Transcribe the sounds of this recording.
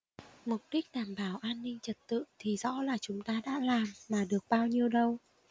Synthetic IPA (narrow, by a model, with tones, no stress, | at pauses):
mʊ˨˩k͡p̚ɗï˦˥k̟̚ɗaː˨˩mɓaː˧˩wʔaː˧nːï˧ŋ̟t͡ɕə˨˩t̚t̪ɨ̰˧˨t̪ʰi˨˩zɔ̰˧˥laː˨˩t͡ɕʊ˨˦ŋ͡mt̪aː˧ɗa̰ː˧˥laː˨˩mːaː˨˩ɗɨ˨˩ək̚ɓaː˧wɲi˧əwɗə˧w